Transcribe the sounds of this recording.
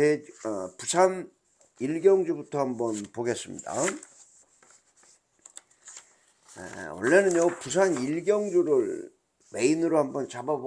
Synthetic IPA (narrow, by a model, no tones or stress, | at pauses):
eʌpusʰan | iɭɡjʌŋd͡ʑubutʰʌhambʌnpoɡe̞s͈ɯmɲḭda̰ | ḛwʌɭːe̞nɯnjʌpus̬ʰaniɭɡjʌŋd͡ʑuɾɯɭ | me̞inɯɾohambʌnt͡ɕabab